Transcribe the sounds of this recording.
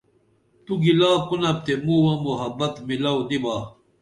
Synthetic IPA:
t̪uɡilaːpunɐp̚t̪emuwɐ̃muɦɐbɐt̪milawd̪ibaː

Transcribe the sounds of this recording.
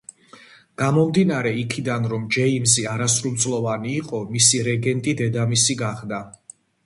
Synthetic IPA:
ɡ̥amɔmd̪inaɾɛikʰid̪anɾɔmd͡ʒɛimziaɾasɾumt̪sʼlˠɔvaniːqʼɔmisiɾɛɡɛnt̪ʼid̪ɛd̪amisiɡaχd̪a

